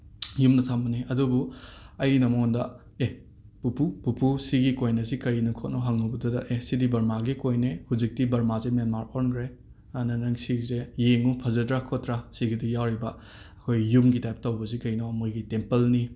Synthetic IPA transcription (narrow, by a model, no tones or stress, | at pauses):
jumnɐtʰambɐniɐdubuɐjnɐmndɐ | e | pupupupusiɡikojnɐzikɐɾinɐkʰot̚nɔɦaŋnubɐdudɐʔesidibɐɾmaɡikojnehuzik̚tibɐɾmazemenmaɾoɾnkʰɾe | anɐnɐŋsizejeŋupʰɐzɐdɾakʰotɾasiɡidijawɾibɐ | ɐkʰojːumɡitajp̚tɐwbɐzikɐjnomojɡitempelni